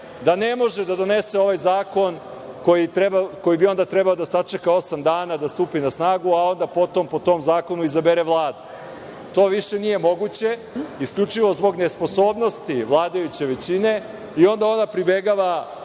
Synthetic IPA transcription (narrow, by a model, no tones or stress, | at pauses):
d̪anemo̞ʒed̪ad̪o̞nese̞o̞ʋajzaːko̞n | ko̞jit̪ɾebako̞jibio̞nd̪at̪ɾɛbaod̪asat͡ʂekao̞samd̪aːnad̪ast̪uːpinasnaːɡuao̞nd̪apo̞t̪o̞mpo̞t̪o̞mzaːko̞nuizabeɾeʋlˠaːd̪u | t̪o̞ːʋiʃe̞nije̞mo̞ɡut͡ɕe̞iskʎʲut͡ʂiʋo̞zbo̞ɡnespo̞so̞ːbno̞st̪iʋlˠaːd̪ajut͡ɕe̞ʋet͡ɕine̞ | io̞nd̪ao̞napɾibeɡaʋa